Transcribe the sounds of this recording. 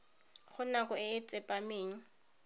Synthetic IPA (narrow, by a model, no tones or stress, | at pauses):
χʊnakʼɔɪɪt͡sʼɪpʼameːɲ̩